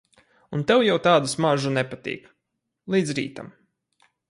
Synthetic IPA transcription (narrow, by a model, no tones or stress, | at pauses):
unt̪ɛwjawt̪aːd̪usmaʒunɛpat̪ḭːk | lˠiːd̪zɾḭːt̪a̰m